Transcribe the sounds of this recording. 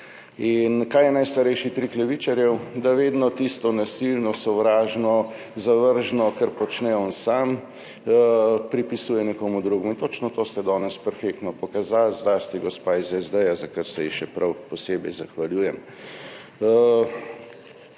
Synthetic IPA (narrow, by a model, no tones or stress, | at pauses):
inkaːjɛnajst̪aɾɛjʃit̪ɾiklɛʋiːt͡ʃaɾjɛwd̪aʋeːd̪nɔt̪ist̪ɔnasilnɔsɔʋɾaːʒnɔ | zaʋəɾʒnɔkɐɾpɔt͡ʃnɛɔːnsam | pɾipisuːjɛnɛkoːmud̪ɾuːɡmuint̪ot͡ʃnɔt̪oːst̪ɛd̪ɔːnɛspɛɾfek̚t̪nɔpɔkazalzd̪ast̪iɡɔspaːizɛzd̪ɛjazakəɾsɛjiʃɛpɾʔawpɔseːbɛjzaxʋaljuːjɛm